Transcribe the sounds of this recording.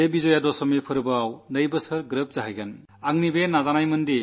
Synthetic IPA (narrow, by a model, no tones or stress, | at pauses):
ebizɔjadɔsɔmipʰɯɾbɯawnəjbɯsɯɾɡɾɯp̚z̥aɦɯjɡan | aŋnibenazanajmɯndi